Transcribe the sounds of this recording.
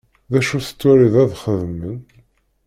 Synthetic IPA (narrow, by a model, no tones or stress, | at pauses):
ðæʃuθə̥t͡sːæɾiðæðχəðəmən